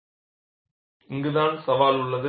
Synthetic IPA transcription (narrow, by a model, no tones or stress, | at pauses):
ɪŋɡɯðaːnsɐʋaːlʊɭːɐðɯ